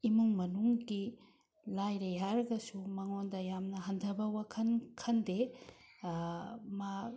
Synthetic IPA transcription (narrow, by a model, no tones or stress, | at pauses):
imuŋmɐnuŋɡi | lajɾejɦaɾɐɡɐsumaŋondɐjamnɐɦɐndʱɐbɐwakʰɐnkʰɐnde | ma